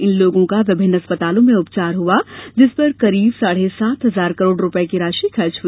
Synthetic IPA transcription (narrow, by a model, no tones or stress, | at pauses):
ɪnloːɡõkaʋɪbʱɪnːɐspət̪aːlõmẽʊpt͡ʃaːɾɦuad͡ʒɪspɐɾkɐɾiːbsaːɽ̤esaːt̪ɦɐzaːɾkɐɾoːɽɾʊpəekiɾaːʃikʰɐɾt͡ʃɦui